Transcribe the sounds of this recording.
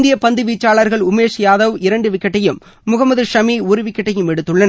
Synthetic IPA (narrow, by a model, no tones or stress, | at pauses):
nd̪ɪjɐpɐnd̪ɯʋiːt͡ʃːaːɭɐɾɣɐɭʊmeːʂɪjaːðɐʋɪɾɐɳɖɯʋɪkːɐʈːɐjɯmː | ʊɣɐmɐðɯʂɐmiːʊɾɯʋɪkːɐʈːɐjɯmɛɽɯt̪ːɯɭːɐn